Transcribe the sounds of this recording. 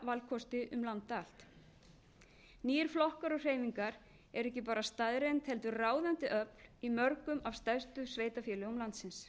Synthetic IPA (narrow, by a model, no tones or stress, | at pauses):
valkʰɔst̪ɪʔʏmlant̪aːl̥t̪ | niːɾ̥flɔhkaɾɔɣr̥eːjmiŋkaɾ | ɛɾɛhcɪpaːɾast̪aðɾejnt̪hɛl̪t̪ʏraːwðant̪ɪʔœplimœɾkʏmavst̪aɥst̪ʏsveːjt̪afjɛːlʏʏmlant̪sɪns